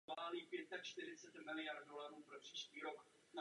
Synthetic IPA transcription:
aːliːpjɛt̪̚t̪ːakt͡ʃt̪ɪɾɪt͡sɛt̪mɪlɪjaɾdolaɾuːpɾopr̥iːʃciːɾok | na

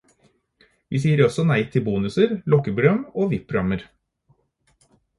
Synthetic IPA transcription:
ʋiːsiːəɾɔsɔnæɪt̪ʰɪlbuːnʉsəɾlɔkəbɾœmoːʋɪppʰːɾʊɑməɾ

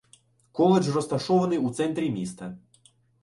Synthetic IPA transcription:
kɔlˠed͡ʒrɔst̪ɐʃɔʋɐnɪjut̪sɛnt̪ɾʲimʲist̪ɐ

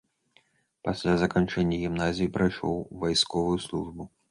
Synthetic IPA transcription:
pasʲlʲazɐkant͡ʂɛnʲːɐɣʲimnazʲijipɾajʂɔ̰wvajskɔvujuslˠuʐbu

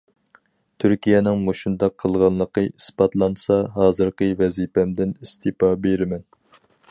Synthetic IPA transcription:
t̪ʰyɾkʲijɛnɪŋmoʃund̪ɑqʰːəlˠʁɑnlˠəqəʔispɑt̪lˠɑnsɑɦɑːzɨɾqəvɛzipʰɛmd̪ɪnist̪ʰɨpɑbeɾɪmɛn

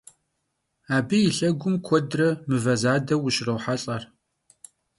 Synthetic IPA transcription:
aːbijɪɬɐɡʷʊmkʷʰɔdrɐmɨvɐzaːdɐwʊɕrɐwħaɬʼɐr

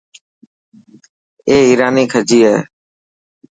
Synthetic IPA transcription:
eːiːɾaːniːkʰəd͡ʒiːɦɛː

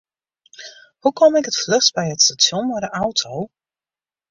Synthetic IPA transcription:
hukɔmɪkətfløsbɛjətstatjɔnvadəʔawtʰow

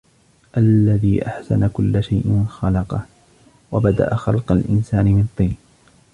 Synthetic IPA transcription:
ʔalːaðiːʔaħsa̰nakʊlːʃajʔɪxɑlɑqɑh | wabad̪a̰ʔaxɑlqɑlʔɪnsaːnɪmɪnt̪ˤːiːn

